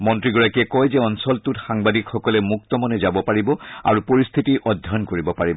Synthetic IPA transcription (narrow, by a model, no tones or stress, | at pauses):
mɔntɹiɡɔɹakiɛkɔjzɛɔnsɔltutxaŋbadikxɔkɔlɛmuk̚tɔmɔnɛzabɔpaɹibɔa̰ɹupoɹist̪ʰitiʔɔdʱːɔnkoɹibɔpaɹibɔ